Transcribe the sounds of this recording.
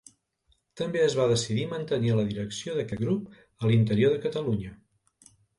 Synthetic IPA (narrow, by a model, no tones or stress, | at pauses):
t̪əmbeəzβaðəsiðimənt̪əniələðiɾəksioðəkɛt̪̚ɡɾup | əlint̪əɾioðəkət̪əluɲə